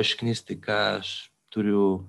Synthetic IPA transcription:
ʃknist̪ikaʃ | t̪uɾju

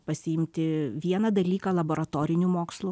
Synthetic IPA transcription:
pɐsʲɪɪmʲt̪ʲɪʋʲiɛnɐd̪ɐlʲiːkɐlˠɐboːɾɐt̪oːɾʲɪnʲumoːkslˠuː

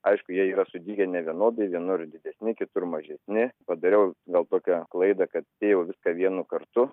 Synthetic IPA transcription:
ɐɪʃkʊjiɛiːɾɐsʊd̪ʲiːɡʲɛnʲɛʋʲiɛnoːd̪ɐɪʋʲiɛnoːɾrd̪ʲɪd̪ʲɛsʲnʲɪkʲɪt̪ʊrmɐʒʲɛsʲnʲɪpɐd̪ɐɾʲɛʊɡɐlˠt̪oːkʲɛklˠɐɪd̪ɐkɐt̪t̪ʲeːjɛʊʋʲɪskɐʋʲiɛnukɐrt̪ʊ

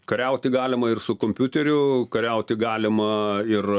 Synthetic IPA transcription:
kɐɾʲɛʊt̪ʲɪɡɑːlʲɪmɐɪrsʊkoːmʲpʲʊt̪ʲɛɾʲʊkɐɾʲɛʊt̪ʲɪɡɑːlʲɪmɐɪr

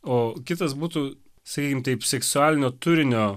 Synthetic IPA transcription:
oːkʲɪt̪ɐsbuːt̪uː | sɐkʲiːkʲɪmt̪ɐɪpsʲɛksʊæːlʲɪnʲoːt̪ʊɾʲɪnʲoː

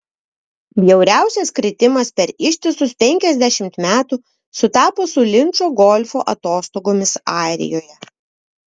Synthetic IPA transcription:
bʲjɛʊɾʲæˑʊsʲɛskɾʲɪt̪ʲɪmɐspʲɛɾɪʃʲt̪ʲɪsʊspʲɛŋʲkʲɛzʲd̪ʲæʃʲɪmt̪mʲæːt̪uː | sʊt̪ɑːpoːsʊlʲɪnˑt͡ʃoːɡɔlʲfo̰ːʔɐt̪oːst̪oːɡoːmʲɪsɑˑɪɾʲɪ̰joːjɛ

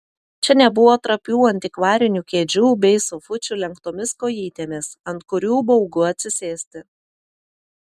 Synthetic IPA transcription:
t͡ʃʲɛnʲɛbʊʋoːt̪ɾɐpʲuːɐnʲt̪ʲɪkʋɑːɾʲɪnʲuːkʲeːd͡ʒʲuːbʲɛɪsʊfʊt͡ʃʲʊlʲɛŋkt̪oːmʲɪskoːjiːt̪ʲeːmʲɪsɐnt̪kʊɾʲuːbɔʊɡʊɐt̪ʲsʲɪsʲeːsʲt̪ʲɪ

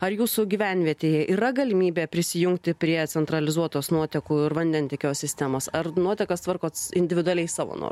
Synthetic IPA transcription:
ɐrjuːsʊɡʲiʋʲænʲʋʲiɛt̪ʲeːjɛʔiːɾɐɡɐlʲɪmʲiːbʲeːpʲɾʲɪsʲɪjʊŋk̚t̪ʲɪpʲɾʲiɛt̪sʲɛnt̪ɾɐlʲɪzuɔt̪oːsnuɔt̪ʲɛkuːɪɾʋɐnʲd̪ʲɛnʲt̪ʲɛkʲoːssʲɪsʲt̪ʲæːmoːsɐrnuɔt̪ʲɛkɐst̪ʋɐrkoːɪnʲd̪ʲɪʋʲɪd̪ʊɐlʲɛɪsɑːʋo̰ːno̰

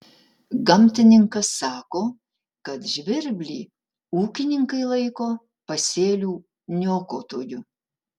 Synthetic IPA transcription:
ɡɐmʲt̪ʲɪnʲɪŋkɐsːɑːkoː | kɐt̪ʒʲʋʲɪɾʲbʲlʲḭː | uːkʲɪnʲɪŋkɐɪlˠɐɪkoː | pɐsʲeːlʲuː | nʲoːkoːt̪oːjʊ

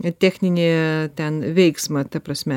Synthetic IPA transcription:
t̪ʲæːxʲnʲɪnʲeːt̪ʲɛnʋʲɛɪksmɐt̪ɐpɾɐsʲmʲɛ

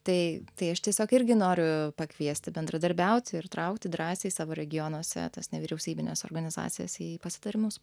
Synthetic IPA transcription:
t̪ɐɪt̪ɐɪɐʃt̪ʲiɛsʲoːkɪɾʲɡʲɪnoːɾʲʊpɐkʋʲiɛsʲt̪ʲɪbʲɛnd̪ɾɐd̪ɐɾʲbʲɛʊt̪ʲɪɾt̪ɾɐʊkt̪ʲɪd̪ɾɑːsʲeːsɑːʋoːɾʲɛɡʲɪjonɔsʲɛ̰t̪ɐsnʲɛʋʲiːɾʲɛʊsʲiːbʲɪnʲḛːso̰rɡɐnʲɪzɑ̰ːt̪sʲɪjɛ̰siːpɐsʲɪ̥t̪ɐɾʲɪmʲʊs

